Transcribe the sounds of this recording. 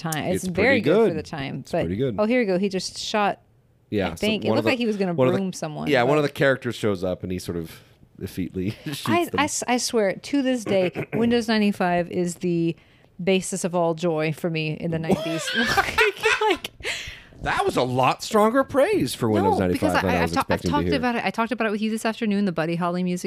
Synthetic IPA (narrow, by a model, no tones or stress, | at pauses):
tʰãɪ̃mɨsvɛɹɾiɡʊdʊdə˞ðɨtʰãɪ̃msb̥ʌtɹɪɾiɡʊd̥̚oʊɦiɹjɨɡoʊid͡ʒʌstʃɑt̚ | jæ̰ɪθɪ̃ŋkɨ̃nlʊklaɪkhiwʌzɡʌnɨbʌnɹũmsʌ̃mwʌ̰̃njæwʌ̃nʌvðɨkʰɛɹɨk̚tə˞z̥ʃoʊzʌpɨ̃n̩isɔɹɾʌv̥ | dɨ̰fḭʔˡliʃaɪaɪsaɪswɛɹtʰɨðɪs̬d̥eɪwɪ̃ndoʊznãɪ̃nifaɪvɪzðɨ | beɪsɨsʌvɔlˠd͡ʒɔɪfə˞miɨ̰̃nðɨnãɪ̃nbistklaɪk | ðət̚wʌzəlɔtstɹ̥ɔ̃ŋɡə˞pʰɹ̥eɪz̥fə˞wɪ̃ndoʊznãɪ̃ibɨkfʌɪaɪṽaɪaaɪʌzsɪkv̚tɪtɔɨɨbaʊɾɨɾʔa̰ɪtʰɔk̚təbaʊɾɨt̚wɨðjɨðɪsæftə˞nʉ̃nðɨbʌɾiɦɑlˠimjʉzɨ